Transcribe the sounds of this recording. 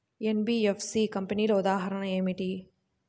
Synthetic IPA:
enbiefsikɐmpɐnilɐud̪aːɦɐɾɐɳɐeːmiʈi

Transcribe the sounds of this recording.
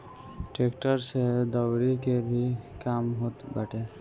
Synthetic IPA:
ʈeːkʈəɾsed̪əwɾikebʱikaːmɦot̪baʈe

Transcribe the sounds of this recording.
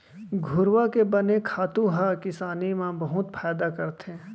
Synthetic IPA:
ɡʱʊɾwakebɐnekʰaːt̪ũɦakɪsaːnimãbɐɦʊt̪pʰɛːd̪akɐɾt̪ẽ

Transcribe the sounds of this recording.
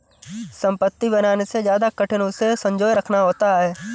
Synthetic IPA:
sɐ̃mpət̪ːibɐnaːnesed͡ʒjaːd̪akəʈʰɪnõsesɐ̃ɲd͡ʒoːjɾɐkʰnaɦoːt̪aɦɛː

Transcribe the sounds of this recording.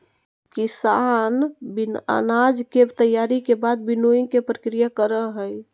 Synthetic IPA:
kisanbina̰nad͡ʒkebt̪əjːaɾikebad̪̚binoiŋkepɾəkɾijakəɾəɦəj

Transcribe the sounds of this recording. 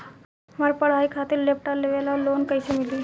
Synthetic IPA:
maɾpəɽ̤aikʰat̪iːɾlepʈaɾleʋelalonkajsimiliː

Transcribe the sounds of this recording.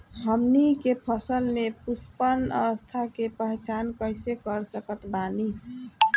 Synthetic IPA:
ɦəmnikepʰəsəlmepuspənə̰ʋəst̪ʰakepəɦet͡ʃankəjsekəɾsəkət̪bani

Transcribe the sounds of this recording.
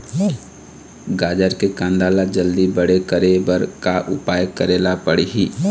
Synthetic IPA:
ɡaːd͡ʒəɾkekãnd̪alad͡ʒəld̪ibəɽekəɾebəɾkaʔʊpaːjkəɾelapəɽiɦi

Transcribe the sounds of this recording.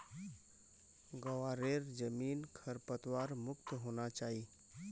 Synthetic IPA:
ɡəwaɾeɾd͡ʒəmiːnkʰəɾpət̪waɾmʊkt̪ɦonat͡ʃaːɦi

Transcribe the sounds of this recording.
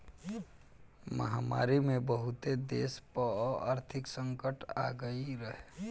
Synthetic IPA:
məɦaːma̰ːɾimẽbəɦʊt̪ed̪eːspəɔa̰ːɾt̪ʰɪksə̃ŋkəʈa̰ːɡəiɾəɦe

